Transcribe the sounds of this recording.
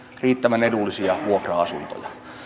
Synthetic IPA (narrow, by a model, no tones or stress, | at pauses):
riːt̪ːæʋænedulːisiɑʋuokrɑɑsunt̪o̰jɑ